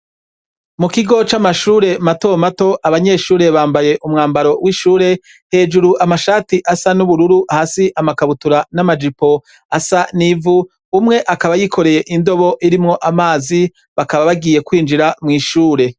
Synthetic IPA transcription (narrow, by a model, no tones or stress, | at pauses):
mukiɡo̞t͡ʃamaʃuːɾe̞mato̞mato̞ʔaβaɲe̞ːʃuːɾe̞βaːmbaje̞ʔumŋaːmbaɾo̞wiʃuːɾe̞ | he̞ːd͡ʒuɾuʔamaʃaːtiʔasanuβuɾuɾuʔahasiʔamakaβutuɾanamad͡ʒipo̞ | asanivuː | mŋe̞ʔakaβajikʰo̞ɾe̞je̞ʔindo̞βo̞ʔiɾimŋo̞ʔamaːzi | βakaβaβaɡije̞kwiːnd͡ʒiɾamŋiːʃuːɾe̞